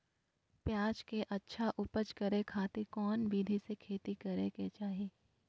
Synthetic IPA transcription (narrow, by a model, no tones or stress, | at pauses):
pjaːd͡ʒkeʔɐtːʃʰaʔʊpət͡ʃkɐɾekʰaːt̪ikɔːnbiːd̪ʱisekʰeːt̪ikɐɾeket͡ʃaːɦiieː